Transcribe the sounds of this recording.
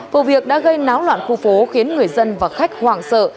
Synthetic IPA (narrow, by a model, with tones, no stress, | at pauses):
fo˨˧˩vi˨˩ək̚ɗa̰ː˧˥ɣə˧jnaː˨˦wlwa̰ː˧˨nxu˧fo˨˦xi˨˦ənŋɨ˨˩əjzə˧nvaː˨˩xa˦˥jk̟̚hwaː˨˩ŋsə̰ː˧˨